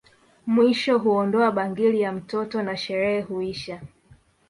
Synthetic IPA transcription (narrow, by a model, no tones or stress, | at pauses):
mwiʃɔɦuɔndɔaɓaŋɡilijam̩tɔtɔnaʃɛɾɛhɛhuiʃa